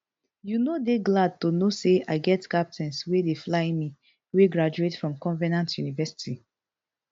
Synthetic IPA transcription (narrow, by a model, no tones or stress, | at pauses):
junodeɡlad̚tonoseaɪɡɛtkap̚tʰɛ̃nswedeflaɪmi | weɡɹad͡ʒuetfɹɔ̃mkɔ̃nvɛnãntjunivɛsi̥ti